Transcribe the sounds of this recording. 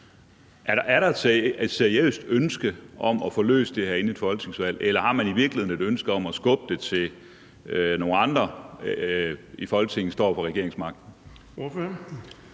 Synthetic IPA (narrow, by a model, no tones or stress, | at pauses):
ʔææɐɾɑ̈e̝d̥sed̥se̝ɐiø̰ːsd̥ønsɡ̥əʔɒ̽mɒfɒlø̰ːsd̥e̝hæɐ̰e̝nied̥fɒ̽lɡ̥ə̥t͡sʰne̝ŋsʋæl̰elɐhɑ̈mæniʋiɐɡ̥lihe̝ð̩ˠne̝d̥ønsɡ̥əð̩ˠɒ̽mɒsɡ̥ɔ̽b̥əd̥e̝t͡sʰe̝l | no̝ːn̩ɑ̈nd̥ʁɐ | ifɒ̽lɡ̥ət͡sʰe̝ŋ̰n̩sd̥ɒ̰ːfɒ̽ʁɛɡ̥e̝ɐeŋsmɑ̈ɡ̥̚d̥n̩